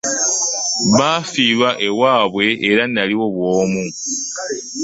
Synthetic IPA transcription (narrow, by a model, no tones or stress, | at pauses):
βaːfiːlwaʔe̞waːβwe̞ʔːɾanːaliwo̞βwoːmu